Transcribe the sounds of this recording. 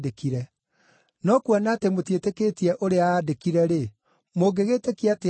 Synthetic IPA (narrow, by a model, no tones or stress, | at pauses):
dekiɾɛ | nɔkwanatemotjeteketiɛʔoɾeaːdekiɾɛɾe | moɡeɣeːtekiate